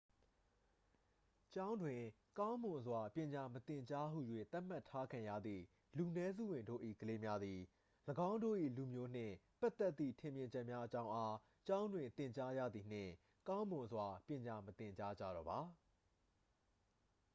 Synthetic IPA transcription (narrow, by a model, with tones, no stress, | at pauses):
t͡ɕã˦ʊ̃ndwɪ̃˨ | kã˦ʊ̃mʊ̃˨zwa˨pjɪ̃˨ɲa˨mət̪ɪ̃˨ɲt͡ɕa˦ɦṵ˦˨jwḛ˦˨t̪a˦ʔm̥a˦˨tʰːa˦kʰã˨ja̰˦˨d̪ðḭ˦˨ | lu˨nɛ˦zṵ˦˨wɪ̃˨ndo̰˦˨ʔḭ˦˨ɡəle˦mja˦d̪i˨ | ləɡã˦ʊ̃ndo̰˦˨ʔḭ˦˨lu˨mjo˦n̥ɪ̰̃˦˨pa˦ʔt̪ːɛ˦t̪ːḭ˦˨tʰɪ̃˨mjɪ̃˨ɲd͡ʑɛ˦ʔmja˦ʔət͡ɕã˦ʊ̃ʔa˦ | t͡ɕã˦ʊ̃ndwɪ̃˨nt̪ɪ̃˨ɲt͡ɕa˦jä̰˦˨d̪i˨n̥ɪ̰̃˦˨ | kã˦ʊ̃mʊ̃˨zwa˨pjɪ̃˨ɲa˨mət̪ɪ̃˨ɲt͡ɕa˦d͡ʑä̰˦˨ɾɔ˨ba˨